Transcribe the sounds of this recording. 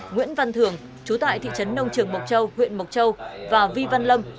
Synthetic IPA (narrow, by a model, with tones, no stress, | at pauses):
ŋwḭ˧˥ənva˧nt̪ʰɨ˨˩əŋ | t͡ɕu˨˦t̪a̰ː˧˨jt̪ʰḭ˧˨t͡ɕə˨˦nːə˧wŋ͡mt͡ɕɨ˨˩əŋmə˨˩k͡p̚t͡ɕə˧whwḭ˧˨ənmə˨˩wk͡p̚t͡ɕə˧wvaː˨˩vi˧va˧nlə˧m